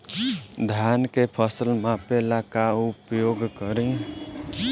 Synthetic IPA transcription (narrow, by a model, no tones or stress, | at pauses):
d̪ʱjankepʰəsəlmãpelakaupjoːɡkəɾẽ